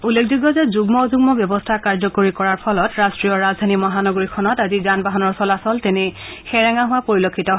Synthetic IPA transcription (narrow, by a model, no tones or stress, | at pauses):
ulːekʰzuɡɔzɛzuɡmɔzuɡmɔbjɔbɔstʰakaɹzɔkoɹikɔɹaɹpʰɔlɔtɹastɹijɔɹazdʱanimɔɦanɔɡoɹikʰɔnɔtazizanbaɦanɔɹsɔlasɔltɛnixɛɹaŋaɦʊwapoɹilokʰːitɔɦ